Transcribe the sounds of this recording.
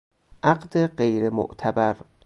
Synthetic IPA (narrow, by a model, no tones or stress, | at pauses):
ʔaɢd̪eɢejɾemo̰ʔt̪ʰæbæɾ